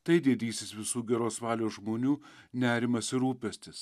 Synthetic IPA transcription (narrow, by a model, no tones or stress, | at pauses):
t̪ɐɪd̪ʲiɛd̪ʲiːsʲɪsʋʲɪsuːɡʲɛɾoːsʋɑːlʲoːʒmoːnʲuː | nʲæːɾʲɪmɐsɪɾuːpʲɛsʲt̪ʲɪs